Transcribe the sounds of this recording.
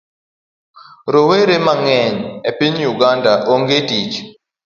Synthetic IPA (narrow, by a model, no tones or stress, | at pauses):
ɾoweɾemaŋɛɲepiɲjuɡandaʔoŋɡetit͡ʃ